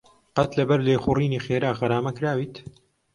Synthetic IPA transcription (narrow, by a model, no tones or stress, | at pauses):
qɐt̪lɐbɐɾleːxuriːniːxeːɾaːɣɐɾaːmɐkɾaːwiːt̪